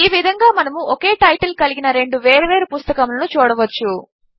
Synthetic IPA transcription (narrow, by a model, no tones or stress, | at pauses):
iːʋid̪ʱɐŋɡaːmɐnɐmuʔɔke̞ːʈɐjʈɐlkɐliɡinɐɾe̞ɳɖuʋeːɾɐʋe̞ːɾupust̪ɐkɐmlɐnut͡ʃuːɽɐʋɐt͡ʃːu